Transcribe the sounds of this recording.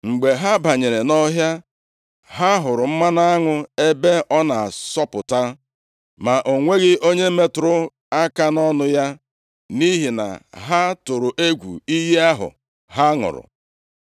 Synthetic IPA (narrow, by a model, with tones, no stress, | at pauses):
ŋ͡m̩˨ɡ͡be˨ɦa˦ba˨ɲe˨ɾe˨nɔ˦ɦja˦ | ɦa˦ɦʊ˨ɾʊ˨m̩˦ma˦na˦a˦ŋʊ˦e˦be˦ʔɔ˦na˨sɔ˦pʊ˨ta˦ | ma˨ʔo˨ŋʷe˦ɡɪ˦ʔo˦ɲe˦me˦tʊ˨ɾʊ˦ | a˦ka˦nɔ˦nʊ˦ja˦ | ni˦ɦi˨na̰˨ɦa˦tʊ˨ɾʊ˨ʔe˦ɡʷṵ˨i˦ji˦a˦ɦʊ̰˨ | ɦa˦ŋʊ̰˨ɾʊ̰˨